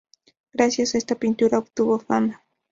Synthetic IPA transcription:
ɡ̥ɾasjasest̪apɪnt̪ʊɾakt̪ʊbofama

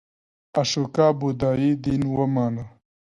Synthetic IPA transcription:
ɐʃukaːbud̪aːid̪inwɐmaːna

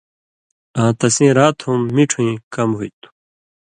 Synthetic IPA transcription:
ãːt̪ɐsĩːɾaːt̪ʰhumːiʈ͡ʂʰũĩːkɐmɦuit̪u̥

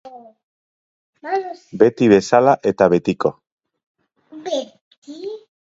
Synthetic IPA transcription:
be̞t̪iβe̞salaʔe̞t̪aβe̞t̪iko̞

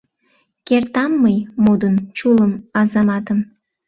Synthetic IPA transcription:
kert̪ɑmːəjmod̪ənt͡ɕuləmɑzɑmɑt̪əm

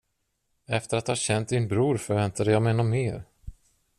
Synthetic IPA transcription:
ɛft̪əɾat̪hɑɕɛnt̪̚d̪ɪnbɾuːɾfœɾvɛnt̪ad̪əjɑmɛnɔmːeːɾ

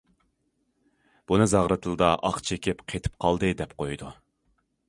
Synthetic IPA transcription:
b̥unɨzɑʁɾɨt̪ʰɨlˠɨd̪ɑʔɑqt͡ʃʰekʲʰipqʰet̪ʰɪ̥p̚qʰɑlˠd̪ɨd̪ɛpqʰojd̪u

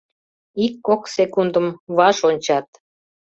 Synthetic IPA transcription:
ikːoksekund̪əmβɑʃonʲt͡ɕɑt̪̚

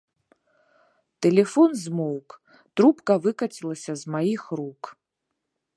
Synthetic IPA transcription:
tʰelefonzmowkʼ | trupʼkavɨkʼatʰilˠasʲazmajixrukʼ

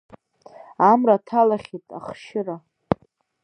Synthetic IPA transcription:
amratʰalaχʲitʼa̰χʃɪra

